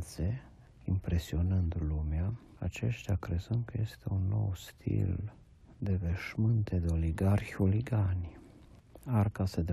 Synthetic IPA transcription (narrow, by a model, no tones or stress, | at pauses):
t̪se̞ | impɾe̞sio̞nɨnd̪lumea | at͡ʃe̞̰ʃt̪eakɾe̞zɨnd̪̚kəje̞st̪e̞unːo̞̰wst̪ʰḭl | d̪e̞ve̞ʃmɨnt̪e̞d̪eo̞liɡarçʲoliɡanʲ | arkasəd̪